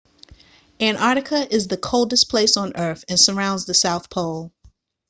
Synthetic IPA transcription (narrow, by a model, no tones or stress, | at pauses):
ɨ̃nɑɹɾɨkʰəʔɪzðɨkʰoʊlˠdɨspʰl̥eɪsn̩ɜ˞θɨ̃nsə˞ãʊ̃ndzðɨsaʊθpʰoʊlˠ